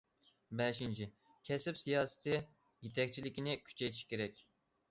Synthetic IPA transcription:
bɛʃint͡ʃʰi | kʲʰɛsɪpsijɑːsɪ̥t̪ʰɪ | jet̪ʰɛk̚ʲt͡ʃʰilɪkʲinɪkʲʰy̥t͡ʃʰɛjt̪ʰi̥ʃkʲeɾɛkʲ

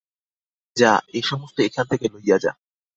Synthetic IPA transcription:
d͡ʑaeʃɔmost̪oekʰant̪ʰekelojjad͡ʑa̰

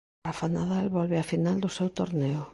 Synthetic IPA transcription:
afanaðalβɔlβeafinald̪ʊsewt̪oɾneʊ

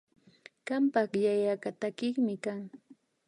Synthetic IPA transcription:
ɢ̥ampɑχjajakat̪akɪχmɪkaŋ

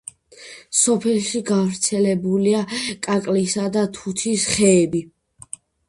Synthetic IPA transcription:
sɔpʰɛlʃiɡavɾt̪sʰɛlɛbuliakʼakʼlisad̪at̪ʰut̪ʰisχɛːbi

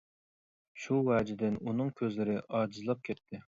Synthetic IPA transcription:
ʃuwɛːd͡ʒɪd̪ɪnunɨŋkʲʰøzlɪɾɪʔɑːd͡ʒizlˠɑp̚kʲʰɛt̪ʰːɪ

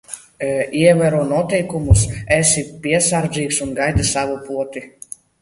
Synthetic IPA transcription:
iɛvæɾuɔnuɔt̪ɛjkumusɛsipʲiɛsaɾd̪zʲiːksunɡajd̪ɨsavupuɔt̪i

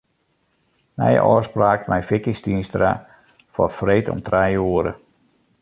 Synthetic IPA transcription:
mɛ̰jʔɔ̰ːspraːkmɛjfɪkɪstiənstra | fɔ̰freːtɔ̰mtrɛjuəɾə̰

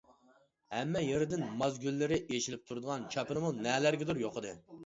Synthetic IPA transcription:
hɛmːɛjeɾɪd̪ɪnmɑzɡʲylːɪɾɪʔeʃilɪp̚t̪ʰuɾɨd̪əʁɑnt͡ʃʰɑpɨɾɨmunɛːlæɾɡʲɛd̪uɾjoqəd̪ɨ

